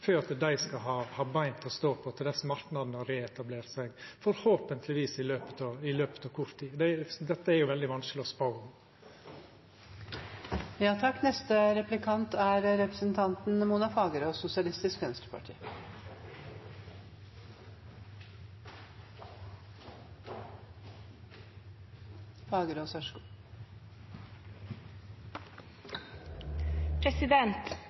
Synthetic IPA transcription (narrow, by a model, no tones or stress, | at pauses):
føːɾɑt̪d̪æɪskɑɦɑːhɑːbæɪnt̪ʰɔst̪oːpʰɔt̪ʰɪld̪ɛsɔmɑɾknɑd̪nɔɾeːɛt̪ɑbleːɾt̪sæɪɡfɔɾhoːpənt̪ʰlɪʋiːsɪløːpə̥t̪ʰɑɪløːpə̥t̪ɑːʋkʰʊɾt̪ʰːiːd̪ɛd̪ɛt̪ːəæɾjʊʋɛld̪ɪʋɑnsklɪɔspɑʊʊm | jɑːt̪ʰɑkːnɛst̪əɾɛplɪkʰɑnt̪ʰæːɾɾɛpɾəsnt̪ʰɑnt̪nmuːnɑfɑːɡəɾoːsʊsɪɑlɪst̪ɪskmɛnsɾəpʰɑ̰ʈʰḭː | fɑːɡəɾoːsœʂkː | pʰɾɛsɪd̪ɛnt̪